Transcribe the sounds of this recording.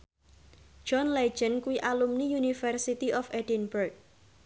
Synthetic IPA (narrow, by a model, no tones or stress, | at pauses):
d͡ʒ̥ɔnle̥d͡ʒ̥ənkuwiʔalumnijunifərsit̪iʔɔfedinbərk̚